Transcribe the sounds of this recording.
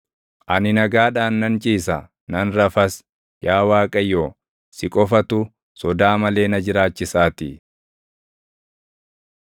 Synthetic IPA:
ʔɐnɪnɐɡaːᶑaːnːɐnt͡ʃʼiːsɐ | nɐnɾɐfɐs | jaːwaːkʼɐjoː | sɪkʼɔfɐt̪ʊ | sɔd̪aːmɐle̞ːnɐd͡ʒɪɾaːt͡ʃːɪsaːt̪ɪ

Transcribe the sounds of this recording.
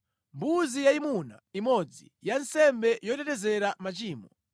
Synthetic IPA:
mbuzijaimuna̰imɔd͡zi | jansɛmbɛjɔtɛtɛzɛɾamat͡ʃiːmɔ

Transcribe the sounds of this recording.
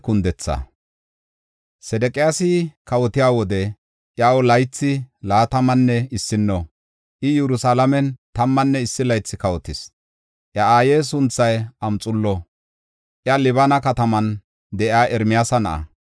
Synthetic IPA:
kʊnd̪ɛt͡sːɐ̰ | sɛd̪ɛkʼɪjasɪkɐwɔt̪ɪjaːwɔd̪ɛ | ʔjawɔlɐjt͡sːɪlaːt̪ɐmɐnːɛɪsːɪnːɔ | ʔɪjɛɾʊsalɐmɛnt̪ɐmːɐnːɛɪsːɪlɐjt͡sːɪkɐwɔt̪ɪs | ʔjɐaːjeːs̬ʊnt͡sːɐjɐmt͡sʼʊlːɔ | ʔjɐlɪβɐnɐkɐt̪ɐmɐn | d̪ɛʔjaːʔɛɾmɪjasɐnɐ̰ʔɐ̰

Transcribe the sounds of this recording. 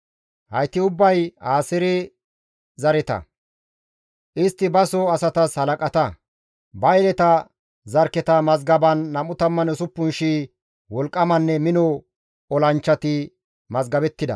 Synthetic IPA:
hɐ̰jt̪ːɪʊbːɐjaːsɛɾɛ | zɐɾɛt̪ɐ̰ | ʔɪst̪ːɪbɐsɔɐsɐt̪ɐshɐlɐkʼɐt̪ɐ | bɐjlɛt̪ɐ | zɐɾkːɛt̪ɐmɐzɡɐbɐnːɐmʊt̪ɐmːɐnɛsʊpːʊnʃiː | wɔlkʼːɐmɐnːɛmɪnɔ | ɔlɐnt͡ʃːɐt̪ɪ | mɐzɡɐbɛt̪ːɪd̪ɐ̰

